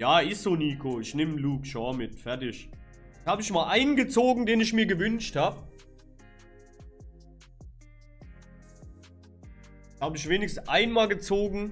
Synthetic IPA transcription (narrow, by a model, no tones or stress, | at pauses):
jaːɪsz̥oːniːkʰoːɪçnɪmluːkʃɔɐmɪtfɛɐtɪʃ | haːbəɪçmaːlʔaɪnənɡət͡soːɡŋ̩deːnɪçmiːɐɡəvʏnʃthaːbə | haːbəɪçv̥eːnɪçs̩ʔaɪnmaːlɡət͡soːɡŋ̩